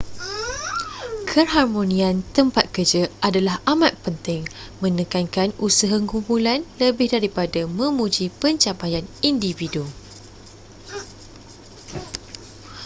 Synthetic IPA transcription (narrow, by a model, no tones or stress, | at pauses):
kʰərɦarmõnĩãnt̪əmpat̪̚kərd͡ʒəʔadalahamat̪̚pənt̪ɪŋmə̃nəkankanusəɦaŋkumpulanləbɪhdaɾipadamə̃mũd͡ʒipəɲt͡ʃapajanindividu